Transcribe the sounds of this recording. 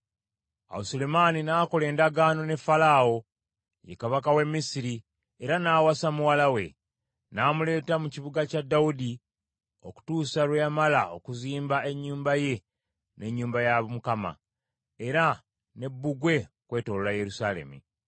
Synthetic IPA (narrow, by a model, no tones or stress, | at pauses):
a̰wusolemaːninaːko̞le̞ːndaɡaːno̞ne̞falaːo̞ | jḛkaβakawe̞mːisiɾi | e̞ɾanaːwasamuwalawe̞ | naːmule̞ːtamuciβuɡacadːawudi | o̞ku̥tuːsalwejamalao̞kuziːmbae̞ɲːuːmbaje̞ | nʔe̞ɲːuːmbajaβmukama̰ | e̞ɾa | ne̞bːuɡwe̞okwe̞ːto̞ːlolaje̞ɾusaːle̞̰mṵ